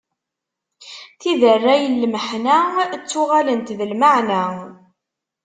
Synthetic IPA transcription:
θiðərːæjəlːməħnæt͡sːʊʁalənt̪ðəlmaʕnæ

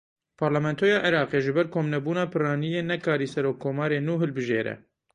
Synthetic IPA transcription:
pʰɑɾlɛmɛnt̪ʰoːjɑːʔɪɾɑːqeːʒɨbɛɾkʰoːmnɛbuːnɑːpʰɨrɑːnijeːnɛkʰɑːɾiːsɛɾoːkʰːoːmɑːɾeːnuːɦɨlbɨʒeːɾɛ̰

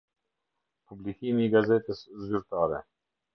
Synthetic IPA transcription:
publikimiːɡazɛt̪əszyɾt̪aːɾɛ̰

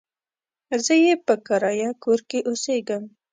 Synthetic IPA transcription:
zəjepəkaɾɑjɑkoɾkeʔoseɡəm

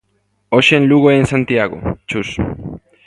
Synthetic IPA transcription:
oʃenluɣoensant̪iaɣo̰t͡ʃus

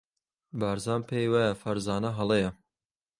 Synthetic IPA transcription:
baːɾzaːmpʰeːjwaːjɐfɐɾzaːnɐɦɐlˠejɐ

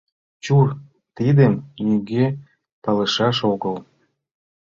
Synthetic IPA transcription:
t͡ɕur | t̪id̪əmnyɣe | pɑləʃɑʃoɣəl

